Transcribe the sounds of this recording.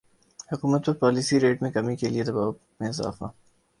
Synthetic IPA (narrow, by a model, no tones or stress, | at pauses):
hʊkuːmət̪pɐɾpaːliːsiɾeːʈmẽkɐmikelied̪ɐbaː | mẽɪza̰ːfa̰